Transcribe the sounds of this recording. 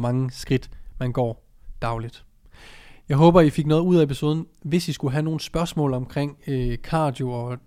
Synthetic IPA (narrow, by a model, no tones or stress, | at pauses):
mɑ̈ŋəsɡ̥ʁid̥mænɡ̥ɒ̰ː | d̥ɑ̈ʊlid̥ | jɑ̈ɪɦɔ̽ːb̥ɐifeɡ̥nɔ̽ːð̩ˠuð̞̰ˠæe̝pʰiso̝ːð̞ˠən̩ʋe̝sisɡ̥uɦæno̝ːn̩sb̥ɶɐsmɔ̰̽ːlɒ̽mkʰʁeŋ̰kʰɑ̈ːd̥joɒ̽